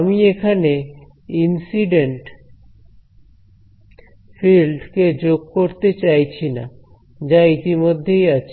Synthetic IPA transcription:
amiekʰane | insiɖeɳʈ | filɖked͡ʑoɡ̚koɾt̪et͡ɕajt͡ɕʰina̰ | d͡ʑait̪imod̪ʱːejat͡ɕʰ

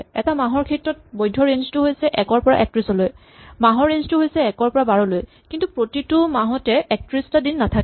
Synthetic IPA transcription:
ɛ̰tamaɦɔɹkʰɛtɹɔt̚bojdʱːɔɹenztʊɦojsɛʔɛkɔɹpɔɹa̰ʔɛk̚tɹisɔloj | maɦɔɹːenztʊɦojsɛːkɔɹpɔɹabaɹɔloj | kintupɹotitʊmaɦɔtɛʔɛk̚tɹistadinːatʰak

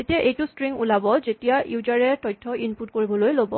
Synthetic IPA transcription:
etiaʔejtustɹiŋulabɔzetijaʔjuzaɹɛtɔjtʰːɔinputkoɹibɔlojlobɔ

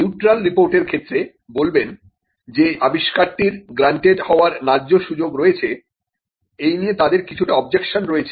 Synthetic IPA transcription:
niuʈɾalɾipoɾʈeɾkʰet̪ːɾe | bolben | d͡ʑeabiʃkaɾʈiɾɡɾaɳʈeɖhɔoaɾnad͡ʑːoʃud͡ʑoɡɾɔet͡ɕʰe | ejniet̪ad̪eɾkit͡ɕʰuʈaɔb̚d͡ʑekʃonɾoet͡ɕʰe

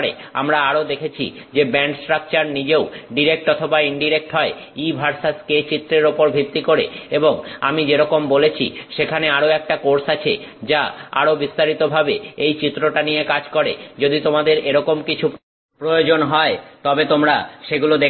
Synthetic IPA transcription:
ɾea̰mɾaaɾod̪ekʰet͡ɕʰḭ | d͡ʑebɛɳʈsʈɾak̚t͡ɕaɾnid͡ʑeoɖiɾek̚ʈɔt̪ʰobaiɳɖiɾek̚ʈɦɔe | ibʱaɾsasket͡ɕit̪ːɾeɾopoɾbʱit̪ːikoɾḛeboŋa̰mid͡ʑeɾɔkombolet͡ɕʰḭʃekʰaneaɾoɛk̚ʈakoɾsat͡ɕʰḛd͡ʑaa̰ɾobist̪aɾit̪obʱabeejt͡ɕit̪ːɾoʈanijekad͡ʑkɔɾed͡ʑod̪it̪omad̪eɾeɾɔkomkit͡ɕʰup | pɾojod͡ʑonɦɔet̪ɔbet̪omɾaʃeɡulod̪e

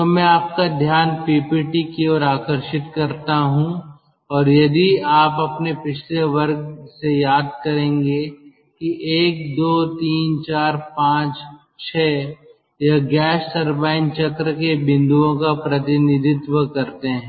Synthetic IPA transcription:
t̪omɛ̃aːp̚kad̪ʱjaːnpiːpiːʈikiɔːɾaːkəɾʃɪt̪kɐɾt̪aɦũ | ɔːɾjɐd̪iaːpɐpnepɪt͡ʃʰleʋɐɾɡ̚sejaːd̪kɐɾẽːŋɡe | kiʔeːk̚d̪oːt̪iːnt͡ʃaːɾpãːt͡ʃ | t͡ʃʰɛː | jaɡɛːʃsɐɾbaːɪnt͡ʃɐkɾəkebɪ̃nd̪uõkapɾɐt̪ɪnɪd̪ʱɪt̪wəkɐɾt̪eɦɛ̃ː

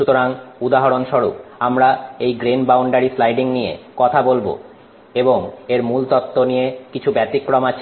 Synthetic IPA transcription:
ʃut̪oɾaŋud̪aɦaɾonʃɔɾupamɾaejɡɾenbawɳɖaɾislajɖiŋnijḛkɔt̪ʰabolbo̰ | eboŋeɾmult̪ɔt̪ːonijekit͡ɕʰubɛt̪ikːɾɔmat͡ɕʰ

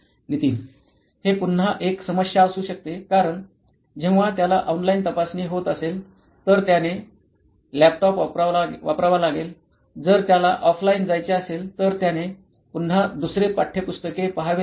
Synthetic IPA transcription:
ɡʱit̪iːn | hepun̤aʔeksəməɕjaːsuːɕək̚t̪ekaɾəɳ | d͡ʑẽʋ̃ʋat̪jalaʔɔnlaint̪əpasniːɦot̪əsel | t̪əɾt̪jane | læp̚ʈɔpʋapɾaʋalaɡel | d͡zəɾt̪jalaʔɔfʰlaind͡zajt͡ɕeaselt̪əɾt̪jane | pun̤ad̪usɾepaʈʰːepust̪əkepəɦaʋe

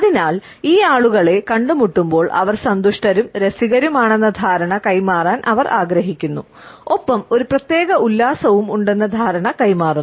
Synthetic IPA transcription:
ɐðinaːl | iːaːɭuɣɐɭe̞kɐɳɖumuʈːumbo̞ːɭʔɐ̰ʋɐrsɐnd̪uʂʈɐɾumɾesiɣɐɾumaːɳenːɐd̪ʱaːɾɐɳɐkɐjmaːraːnʔɐ̰ʋɐrʔaːɡɾɐɦikʲːun̪ːṵ | o̞pːɐmo̞ɾuprɐt̪je̞ːɣɐʔulːaːsɐʋumuɳɖe̞nːɐd̪ʱaːɾɐɳɐkɐjmaːru

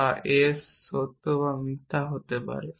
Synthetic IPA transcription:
aʔesːot̪ːoʋamit̪ːaɦot̪epa̰ɾe

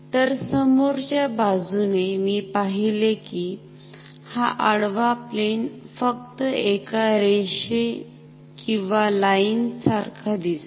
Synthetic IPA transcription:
t̪əɾsəmoɾt͡ɕjabad͡zunemiːpaɦileki | haʔəɽʋaplenfək̚t̪əekaɾeɕe | kĩw̃ʋalaint͡saɾkʰad̪is

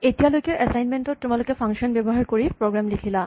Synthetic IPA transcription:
etijalojkɛʔɛsajnmentɔtːumalʊkɛpʰaŋʃɔnbɛbɔɦaɹkoɹipɹoɡɹamlikʰila

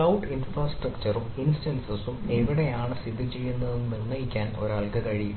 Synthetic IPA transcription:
ɐwʈinfraːsʈrɐkt͡ɕɐruminsʈɐnsɐsumeʋiɽeaːɳɨsid̪ʱːit͡ɕe̞jːunːɐðenːuninːɐjikʲːaːno̞̰ɾaːɭkɐkɐɻiju

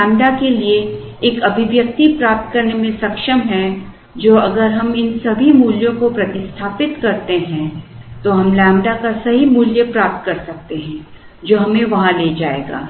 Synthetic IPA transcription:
ɛ̃ːmɖakelie | eːkɐbʱɪʋjɐk̚t̪ipɾaːp̚t̪̚kɐɾnemẽsɐkʃəmɦɛ̃ | d͡ʒoːɐɡəɾɦɐmɪnsɐbʱimuːljõkopɾɐt̪ɪst̪ʰaːpɪt̪kɐɾt̪eɦɛ̃t̪oɦɐmlɛ̃ːmɖakasɐɦimuːljəpɾaːp̚t̪̚kɐɾsɐk̚t̪eɦɛ̃ | d͡ʒoːɦɐmẽʋɐɦãleːd͡ʒaːḛːɡa̰ː

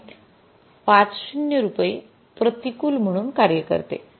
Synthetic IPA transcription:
pãt͡sɕunjəɾupe | pɾət̪ikuːlm̤əɽ̃uːnkaɾjəkə̰ɾt̪ḛ

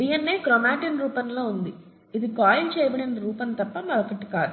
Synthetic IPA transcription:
bijɐnːeːkɾɔmaːʈɐnɾuːpɐnlo̞ːund̪i | id̪ikaːjlt͡ʃɛːbɐɽɐnːɐɾuːpɐnt̪ɐpːɐmɐlɐkɐʈːi̥kaːd̪u

